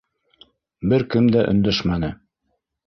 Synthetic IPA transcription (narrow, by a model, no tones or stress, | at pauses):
bɘɾkɘmd̪æʔɵ̆nd̪æʃmænɤ